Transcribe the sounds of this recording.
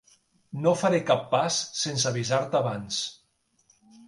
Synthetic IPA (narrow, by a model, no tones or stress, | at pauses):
nofaɾekapːasːens̬aβizaɾt̪aβans